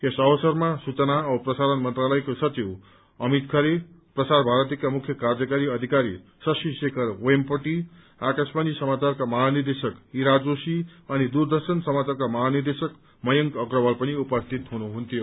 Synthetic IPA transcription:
esʌwʌsʌrmasut͡sʌnaʌbʌprʌsaɾʌnmʌnt̪ralʌjkosʌt͡siw | ʌmit̪kʰʌɾe | prʌsaɾbʱaɾʌt̪ikamukʰjʌkard͡zʌkaɾiʌd̪ʱikaɾi | sʌsisekʰʌroempʌʈi | akasbanisʌmat͡sarkamʌɦanird̪esʌkiɾad͡zosiʌnid̪urd̪ʌrsʌnsʌmat͡sarkamʌɦanird̪esʌk | mʌjʌŋkʌkrʌbʌlpʌniupʌst̪ʰit̪ɦunuɦunt̪ʰijo

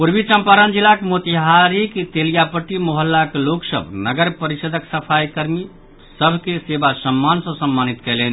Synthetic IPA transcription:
puɾbit͡ʃəmpaɾənd͡ʒilakemot̪iɦaɾiket̪elijapəʈːimoɦəlːakeloksə̰bʱnəɡəɾpəɾisəd̪ʱəksəpʰajkəɾmi | səbʱkesebasəmːansə̃səmːanit̪kɛlɛni

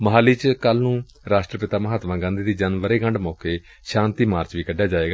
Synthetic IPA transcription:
məɦaːliːt͡ʃkəlnũː | ɾaːsʈɾəpɪt̪aːməɦaːt̪ʋãːɡãːnd̪iːd̪iːd͡ʒənʋəɾeːɡə̃ɳɖmɔːkeː | ʃãːnt̪iːmaːɾt͡ʃʋiːkəɖːjaːd͡ʒaːeːɡaː

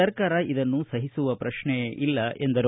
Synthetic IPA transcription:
ɐɾkaːɾɐʔid̪ɐnːusɐɦisuʋɐpɾɐʂɳɛʔilːɐʔend̪ɐɾ

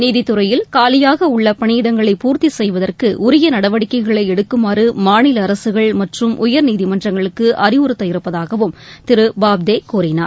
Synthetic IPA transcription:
niːðɪt̪ːɯɾɐjɪlkaːlɪjaːɣɐʊɭːɐpɐɳiːɽɐŋɡɐɭɐɪpuːɾt̪isɛjʋɐðɐrkɯʔʊɾɪjɐnɐɽɐʋɐɽɪkːɐɪɣɐɭɐɪɛɽɯkːɯmaːɾɯmaːnɪlɐːɾɐsɯɣɐɭmɐʈrɯmʔʊjɐɾniːðɪmɐndrɐŋɡɐɭɯkːɯʔɐrɪʊɾɯt̪ːɐɪɾɯpːɐðaːɣɐʋɯmt̪ɪɾɯbaːb̚d̪eːkuːɾɪna̰ːɾ

